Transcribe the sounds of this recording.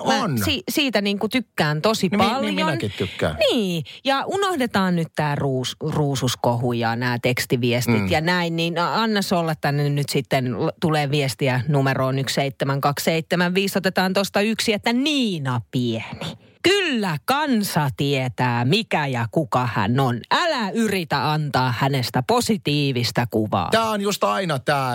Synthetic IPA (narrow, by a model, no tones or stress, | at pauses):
nsiːsiːt̪æniːŋkut̪ykːæːnt̪osipɑljonkit̪t̪ykːæ̰ːniːjɑʔunohdet̪ɑːnnyt̪t̪æːruːsruːsuskohujɑnæːt̪ekst̪iʋiest̪it̪jɑnæinniːnɑnːɑsolːɑt̪ːænːenyt̪sit̪ːent̪uleːʋiest̪iænumeroːnyksseit̪ːemæŋkɑksseit̪ːemæʋʋiːsot̪et̪ɑːnt̪ost̪ɑyksiet̪ːæniːnɑpieni | kylːækɑnsɑt̪iet̪æːmikæjɑkukɑhæ̰nonʔælæyrit̪æɑnt̪ɑːhænest̪æposit̪iːʋist̪ækuʋɑ̰ːt̪æːonjust̪ɑinɑt̪æː